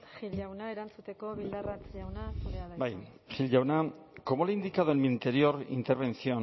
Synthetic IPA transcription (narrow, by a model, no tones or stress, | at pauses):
xiʎawnae̞ɾant͡sut̪e̞ko̞βild̪arat͡sʎawnaeabaj | xilɟawnako̞molind̪ikaðoenmint̪e̞ɾio̞ɾḭnt̪e̞ɾβe̞nsion